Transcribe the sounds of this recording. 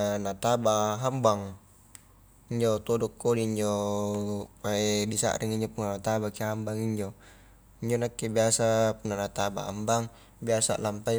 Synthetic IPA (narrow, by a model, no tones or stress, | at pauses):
nat̪abaɦambaŋ | iɲd͡ʒot̪ɔdɔkːoliːɲd͡ʒo | paedisa̰ʔɾʔiŋiɲd͡ʒopunanat̪abakeɦambaŋiɲd͡ʒo | iɲd͡ʒonakːebiasapunːanat̪aba̰a̰mbaŋ | biasa̰ʔlampai